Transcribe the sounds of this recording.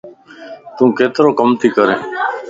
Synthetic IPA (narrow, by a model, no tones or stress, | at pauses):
t̪ũːkʰeːt̪ɾõːkəmt̪ʰiːkəɾḛ̃ː